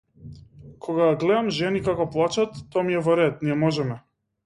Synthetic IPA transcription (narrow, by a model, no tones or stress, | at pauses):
kʰɔɡaɡlɛd̪amʒɛnikakɔplˠat͡ʃat̪ːɔamiɛvɔɾɛt̪niɛmɔʒɛmɛ